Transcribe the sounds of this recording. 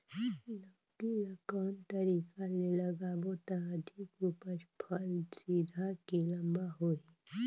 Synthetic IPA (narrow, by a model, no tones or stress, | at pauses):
lə | biləkɔːnt̪əɾiːkaleləɡabot̪aəd̪ʱikupəɾpʰəlsid̪ʱakilɐ̃mbaɦoi